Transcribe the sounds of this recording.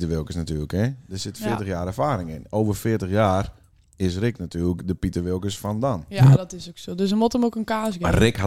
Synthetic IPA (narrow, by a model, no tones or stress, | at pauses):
təʋɪlˠkəsnatyːləkɛdəsɪtfɪətəxjaːɾɛrfaːɾɪŋɪnoːvərfɪətəxjaːr | ɪsrɪknatʰyːləkdəpitəʋɪlˠkəsfɔndanjdɔtɪsoksoːdøsəmotəmokənkaːsɡɪrɪkha